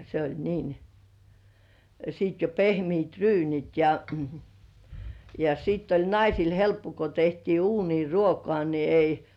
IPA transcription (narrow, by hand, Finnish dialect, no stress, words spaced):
se olʲ niːn siˑt jo pehmiːt ryːnit jɑ jɑ siːtː olʲ nɑisil helpːo ko tehtiː uːniː ruokŏɑˑ ni ei